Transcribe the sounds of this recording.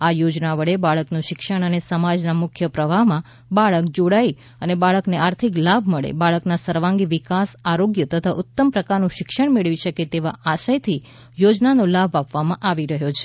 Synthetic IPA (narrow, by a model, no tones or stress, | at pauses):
ajod͡ʒnaʋəɭebaɭəknũʃɪkʃəɽ̃ənesəmad͡ʒnamʊkʰjəpɾəʋaɦmã | baɭəkd͡ʒoɽai | ənebaɭəkneaɾt̪ʰiklabʱməɭḛbaɭəknasəɾʋãŋɡiʋɪkasaɾoɡjət̪ət̪ʰaʔʊt̪ːəmpɾəkaɾnũʃɪkʃəɳ̃meɭʋiʃəket̪eʋaʔaʃajt̪ʰi | jod͡ʒnanolabʱapʋamãʔaʋiɾəɦjot͡ʃʰe̥